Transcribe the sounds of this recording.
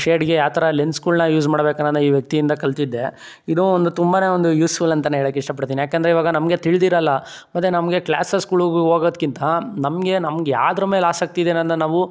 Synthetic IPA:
ʂeːɖɡejaːt̪ʰɐɾɐlenskuːlnɐjuːzmaːɽbeːkɐnːɐnd̪ɐiːʋjɐk̚t̪ijind̪ɐkɐlt̪id̪ːe̞ | id̪uond̪ut̪umbaːne̞ːond̪ujuːsfulɐnt̪ɐneɦeːɭɐkːeiʂʈɐp̬ɐɽt̪inijaːkend̪ɾeiʋaːɡɐnɐmɡe̞t̪iɭd̪iːɾɐlːɐ | mɐt̪ːenɐmɡe̞kɭa̰ːsɐskuːɭuɡɦoːɡoːd̪kint̪ɐnɐmɡe̞nɐmɡea̰ːd̪ɐɾɐmeːlaːsɐk̚t̪id̪eːnɐnd̪ɐnaːʋu

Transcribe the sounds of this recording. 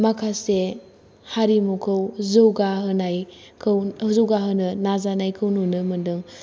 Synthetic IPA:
makʰase | haɾimukʰɯwzɯwɡaɦɯnajkʰɯwzɯwɡaɦɯnɯnazanajkʰɯwnunɯmɯndɯŋ

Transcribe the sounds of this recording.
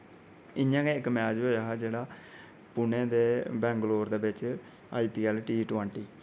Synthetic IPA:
ɪɲjãːkeːɪkmɛːd͡ʒɦoːjaːɦɛːd͡ʒeːɽaː | pʊnẽːd̪eːbɛ̃ːŋɡloːɾd̪eːbɪt͡ʃ | aːiːpiːɛlʈiːʈʋɛ̃ːɳʈiː

